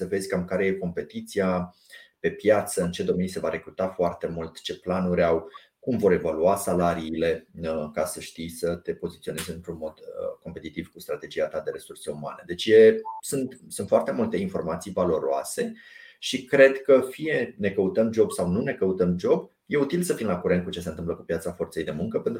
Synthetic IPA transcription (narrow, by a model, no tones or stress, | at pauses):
səve̞zʲkamkaɾe̞je̞ko̞mpe̞t̪it̪sia | pe̞pjat̪səɨnt͡ʃe̞d̪o̞me̞nise̞vaɾe̞kɾut̪afoart̪e̞mult̪t͡ʃe̞planuɾʲaw | kumvo̞ɾe̞valuasalaɾiːle̞kasəʃt̪ijsət̪e̞po̞zit̪sione̞zɨnt̪ɾunmo̞d̪ko̞mpe̞t̪it̪iv̥kust̪ɾat̪e̞d͡ʒiat̪ad̪e̞ɾe̞surse̞uma̰ne̞d̪e̞t͡ʃʲje̞sunt̪sunt̪foart̪e̞mult̪e̞info̞̰rmat̪sijvalo̞ɾoa̰se̞ʃikɾe̞d̪kəfije̞ne̞kəut̪əmd͡ʒo̞bsawnune̞kəut̪əmd͡ʒo̞b | je̞ut̪ilsəfinlakuɾent̪kut͡ʃesent̪ɨmpləkupjat̪safo̞rt̪se̞jd̪e̞muŋkəpe̞nt̪